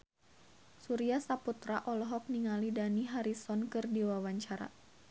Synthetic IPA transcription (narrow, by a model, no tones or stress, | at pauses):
suɾiasaput̪ɾaʔɔlɔɦɔk̚niŋalidaniɦaɾisɔnkɨrdiwawaɲt͡ʃaɾa̰